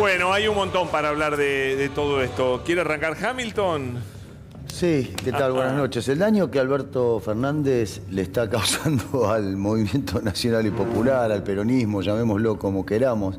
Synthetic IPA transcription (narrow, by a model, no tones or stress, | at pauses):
bwenoajunmont̪o̞mpaɾaːβlaɾðeðet̪oðoest̪okjeɾearaŋkaɾxamilt̪on | sikealβwenasno̞t͡ʃe̞seld̪aɲokealβɛɾt̪ofeɾnãnd̪es | leːst̪akawsand̪oalmo̞βimje̞nt̪onasjo̞nalipo̞pulaɾalpeɾonizmo̞ʒamẽmoslokomo̞keɾamo̞s